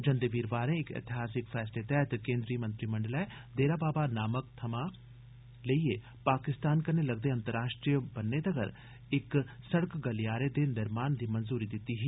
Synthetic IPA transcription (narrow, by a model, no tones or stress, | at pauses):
d͡ʒɐ̃nd̪eʋiːɾʋaːɾẽɪkɪ̰t̪ɪɦaːsɪkfʰɛːslet̪ɛɦət̪kẽːnd̪ɾiːmə̃nt̪ɾimɐ̃ɳɖəlɛd̪eːɾabaːbanaːməkt̪ʰɐmã | ləie | paːkɪst̪aːnkɐɾnelɐɡ̚d̪eɐ̃nt̪əɾaːʃʈɾijəbɐnːed̪ɐɡə̰ɾ | ɪk | sɐɽəkɡɐlijaːɾed̪enɪɾmaːnd̪iːmɐnzuːɾid̪ɪt̪ːiɦiː